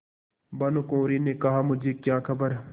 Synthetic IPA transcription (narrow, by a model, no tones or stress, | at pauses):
bɐnokõːɾiːneːkɐɦaːmʊd͡ʒʱeːkjaːkʰəbəɾ